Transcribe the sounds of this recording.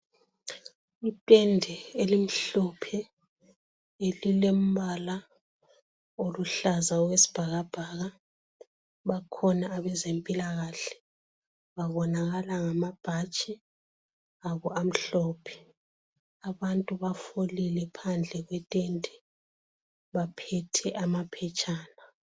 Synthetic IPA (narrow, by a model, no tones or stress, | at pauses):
itʼɛndʱɛelim̩ɬɔpʰɛ | elilem̩βala | oluɬazaɣwesi̥b̥ʱaɣab̥ʱaːɣa | βakʰɔnaːβɛzempʼilaɣaɬɛ̥ | βaβɔnaɣalaŋamab̥ʱat͡ʃʼɛ | aβɔam̩ɬɔpʰɛ̥ | aβantʼuβafolilɛpʰand͡ɮʱɛɣwɛtʼentʼɛ | βapʰɛtʰɛʔamapʰɛt͡ʃʼaːna